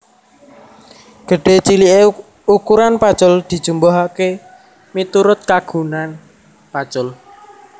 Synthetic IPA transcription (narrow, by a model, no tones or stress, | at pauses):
ɡ̥ə̤ɖ̥e̤t͡ʃiliʔe | ukuɾanpḁt͡ʃʊld̪̥i̤d̥ʒ̥ṳmbɔɦake | mit̪uɾʊt̪̚kaɡ̥ṳnan | pḁt͡ʃʊl